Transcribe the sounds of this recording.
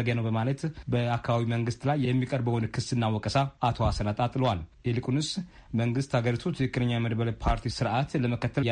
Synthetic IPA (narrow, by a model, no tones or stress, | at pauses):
əɡanəwbəmalət̪bəakʰːabβaβiməŋɡɨst̪lajːɛmːikʼəɾbəwonkʰɨsɨnːawɔkʼəsaʔat̪ʰo̞asənat̪ʼat̪ʼləwalɛlɨkʼunɨs | məŋɡɨst̪haɡəɾit̪ʰut̪ʰɨɨkʼːɨnəɲːajɛməd̪bələpʰaɾt̪ʰisɨɾʔat̪ləməkʰət̪ʰːə